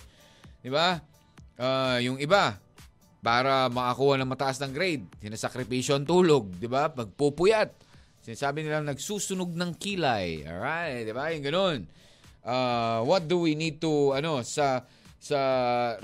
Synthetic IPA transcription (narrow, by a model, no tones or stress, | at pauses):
d̪ɪba | ʔajʊŋɪba | paːɾɐmɐʔakuːhɐnɐŋmɐt̪ɐʔasnɐŋɡɾejd̪̚sɪnɐsɐkɾɪpiːʃoɐnt̪uːlo̞ɡ̚d̪ɪbapɐɡ̚pupʊjat̪̚ | sɪnaːsaːbɪnɪlaŋnɐɡsuːsʊnoɡ̚nɐŋkiːlɐjo̰ɹajt̪̚d̪ɪbajʊŋɡɐno̞n | ʔawɐt̪̚d̪ʊwinid̪̚t̪uɐno̞sɐ | sɐ